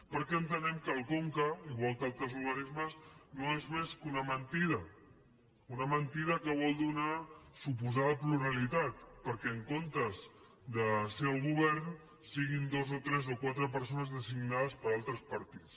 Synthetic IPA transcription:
pəɾkɛənt̪ənɛmkəlˠkoŋkəuβɔlˠt̪alˠt̪əzuɾɣənizməznoezmeskunəmənt̪iðə | unəmənt̪iðəkəβ̞ɔlˠd̪unasup̬uzaðəpluɾalit̪at̪̚pəɾkɛəŋkont̪əz | d̪əsɛwɣuβ̞ɛɾn | siɣind̪ozot̪ɾɛzokwat̪ɾəp̬əɾsonəzðəziɡnaðəspəɾalˠt̪ɾəspəɾt̪i̥t͡s

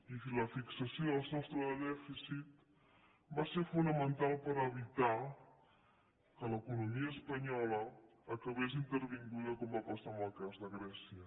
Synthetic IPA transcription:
ifləfiksəsioðəlˠznɔst̪ɾəðəðɛfisit̪ | baseɾfunəmənt̪alˠpəɾəβit̪a | kələkunumiəːspəɲɔləː | kəβes̬int̪əɾβiŋɡuðəkɔmbapəsaməlˠkazðəɣɾɛsiə

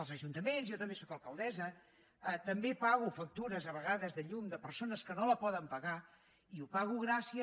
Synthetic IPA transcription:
əlˠzəʒunt̪əmenzjɔt̪əmbesokəlˠkəlˠd̪ɛzə | ət̪əmbepaɣufək̚t̪uɾəzəβəɣaðəzðəʎumd̪əpəɾsonəskənoləpɔðəmpəɣa | iupaɣuɣɾasiə

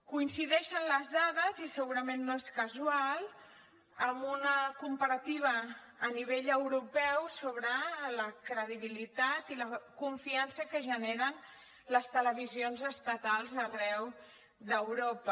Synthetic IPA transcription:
kuinsiðɛʃənləzðaðəzisəɣuɾəmẽnːoeskəzualˠ | əmunəkumpəɾət̪iβ̞əː | niβeʎəwɾupɛwsoβɾələkɾəðiβ̞ilit̪at̪iləkuɱfiansəkəʒəneɾən | ləst̪ələβizionzəst̪ət̪alˠzərɛw | ðəwɾopə

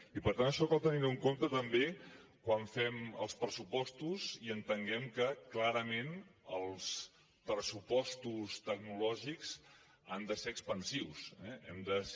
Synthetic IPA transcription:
ipəɾt̪anəʃɔkɔlˠt̪əniɾuŋkomt̪ət̪əmbekwaɱfɛmə̰lˠspɾəsupɔst̪uziənt̪əŋɡɛmkəklaɾəmenəlˠs | pɾəsupɔst̪ust̪əɡ̚nulɔʒikz | a̰nd̪əseɾəkspənsiwsɛɛ̰md̪ə

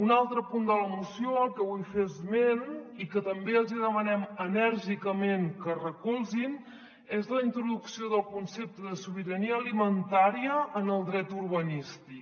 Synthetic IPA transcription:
unalˠt̪ɾəpund̪ələmusijoəlkɛufezmenikət̪əmbeəlˠziðəmənɛmənəɾʒikəmeŋkərəkulˠzin | ezləint̪ɾuðuksioðəlˠkunsep̚t̪əðəsuβ̞iɾəniəːlimənt̪aɾiəːnəlˠd̪ɾɛt̪urβənist̪ik

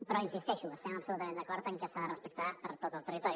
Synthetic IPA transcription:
pəɾɔinsist̪ɛʃuəst̪ɛməpsulut̪əmẽnd̪əkɔɾt̪əŋkəsaðərəspək̚t̪apəɾt̪ot̪əlˠt̪ərit̪ɔɾju

